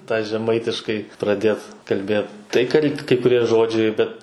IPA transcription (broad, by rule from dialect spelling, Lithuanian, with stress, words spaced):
tɑː ʒʲɛˈmɐɪtʲɪʃkɐɪ prɐˈdʲeːt kɐlʲˈbʲeːt tɐɪ kɐlʲ kɐɪ kʊˈrʲiɛ ˈʒoːd͡ʒʲɛɪ ˈbʲɛt